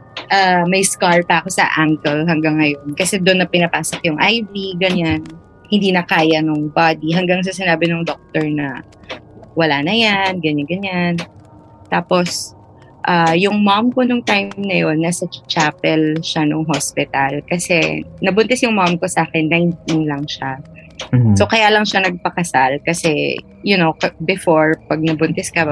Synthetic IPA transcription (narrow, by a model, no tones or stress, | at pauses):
ʔaːmɐjskaɹpɐʔɐko̞sɐ̰ʔaŋkɛlɦɐŋɡaŋːɐjo̞nkɐsɛd̪onːɐpɪnɐpaːsokjʊŋʔajviɡɐɲan | hɪnd̪iːnɐkaːjɐnʊŋbad̪iɦɐŋɡaŋs̬ɐsɪnaːbɪnʊŋd̪ok̚t̪ɛɹnɐ | wɐlaːnɐjanɡɐɲanɡɐɲan | t̪aːpos | ʔajʊŋmamkonʊŋt̪ajmnɐjonːɐsɐt͡ʃapɛlʃanʊŋɦospɪt̪ɐlkɐsɛ̰nɐbʊnt̪ɛsjʊŋmamko̞sɐʔaːkɛnːɐjɪnt̪̚inlɐŋʃa | sokɐjaːlɐŋʃanɐɡ̚pɐkɐsalkɐsɛ | jʊnowkɐbɛfoɹpɐɡ̚nɐbʊnt̪ɛskɐ